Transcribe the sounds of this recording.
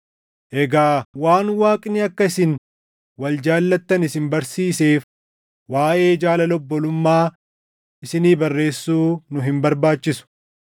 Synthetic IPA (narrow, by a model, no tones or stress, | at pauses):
ʔɛɡaːwaːnwaːkʼnɪɐkːɐɪsɪn | wɐld͡ʒaːlːɐt̪ːɐnɪsɪnbɐɾsiːse̞ːf | waːʔe̞ːd͡ʒaːlɐlɔbːɔlʊmːaː | ʔɪsɪniːbɐrːe̞ːsːuːnʊɦɪmbɐɾbaːt͡ʃːɪsʊ̥